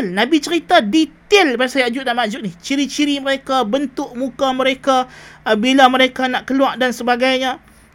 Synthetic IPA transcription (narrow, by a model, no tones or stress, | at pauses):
lnãbit͡ʃəɾit̪adit̪ɪlbaasajad͡ʒʊt̪̚naʔmaʔd͡ʒʊt̪̚nɪht͡ʃiɾit͡ʃiɾiməɾekabənt̪ʊʔmũkamə̃ɾekabilaməɾekanaʔkəluaʔdansəbaɡajɲã